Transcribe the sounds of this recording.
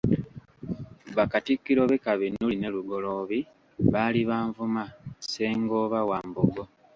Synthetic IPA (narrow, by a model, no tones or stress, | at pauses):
βakatikːiɾo̞βekaβinuline̞luɡo̞lo̞βi | βaliβaːɱvumase̞ːŋɡo̞ːβawaːmbuɡo